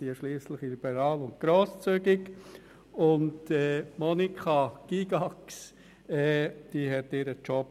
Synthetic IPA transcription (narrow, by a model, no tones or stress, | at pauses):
iəʃliːslɪχilib̥əɾɑːlʊnt̚ɡ̥ɾoːst͡syɡɪk | ʊndɛːmɔnikʰɑɡ̥iɡɑks | ɛːd̪̥iːɦɛt̪ɪːɾət͡ʃɔp